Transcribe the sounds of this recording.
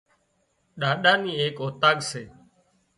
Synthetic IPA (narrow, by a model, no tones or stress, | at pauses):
ɗaːɗaːniːeːkoːt̪aːɠseː